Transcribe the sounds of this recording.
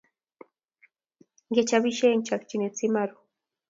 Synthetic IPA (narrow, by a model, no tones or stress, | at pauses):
ɢet͡ʃabiʃeŋt͡ʃakt͡ʃinet͡simaɾu